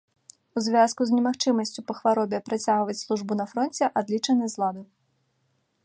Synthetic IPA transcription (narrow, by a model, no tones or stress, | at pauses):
uzʲvʲaskuzʲnʲɛmaxt͡ʂɨmɐsʲt͡sʲupɐxvaɾɔbʲɛpɾat͡sʲaɣvɐt͡sʲslˠuʐbunɐfɾɔnt͡sʲɛʔad̪lʲit͡ʂɐnɨjzlˠad̪ɐ